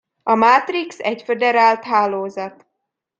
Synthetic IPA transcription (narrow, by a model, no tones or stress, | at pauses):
ɒmat̪riksɛcfed̪ɛɾaːlt̪ɦaːloːzɒt̪